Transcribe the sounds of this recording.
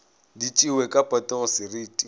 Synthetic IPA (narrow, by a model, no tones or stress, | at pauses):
dit͡ʃʼiwekʼapʼɔtʼɛɣʊsɪriːtʼi